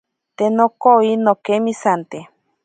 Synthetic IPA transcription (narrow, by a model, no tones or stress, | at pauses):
t̪enokoinokemĩsant̪e